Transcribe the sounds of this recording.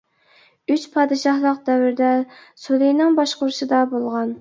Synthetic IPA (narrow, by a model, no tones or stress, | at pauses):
yt͡ʃpʰɑːd̪ɨʃɑhlˠəqd̪ɛwɪɾɪd̪ɛsulˠejnɪŋbɑʃqʊɾuʃɨd̪ɑbolˠʁɑn